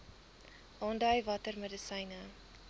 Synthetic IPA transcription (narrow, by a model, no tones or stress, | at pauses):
ʔɑndɐjvɐtərmədəsɐjnə